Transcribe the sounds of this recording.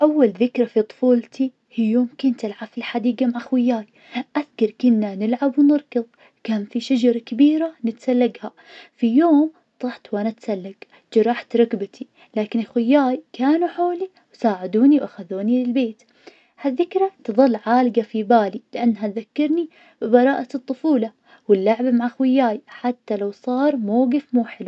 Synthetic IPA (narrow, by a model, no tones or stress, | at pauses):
ʔawːalðɪkɾˤafit̪ˤfuːlt̪ʰi | fijoːmkʊnt̪ɪlʕabfilħad̪iːɡamaʕaxwɪjːaːj | ʔaðkɑɾˤkʊnːanɪlʕabwnɨɾˤkɨðˤ | kaːnfiʃad͡ʒɑɾˤkɪbiːɾanɪt̪salːaɡha | fijoːm | t̪ˤɑħt̪wʔanat̪salːaɡ | d͡ʒɑɾˤɑħt̪ɾˤɑkbat̪ʰi | laːkɪnɪlxwɪjːaːjkaːnuħoːli | wsaːʕɪd̪uːniwʔaxaðuːnilɪlbeːt̪ | haðːɪkɾˤat̪ɨðˤɑlːʕaːlɡafibaːlilɪʔanːɦat̪ðakːɑɾˤni | bɪbɑɾˤɑːʔat̪ˤːʊfuːlɑ | wɪlːaʕbamaʕaxwɪjːaːjħat̪ːalawsˤɑːɾˤmoːɡɪfmuːħɪlu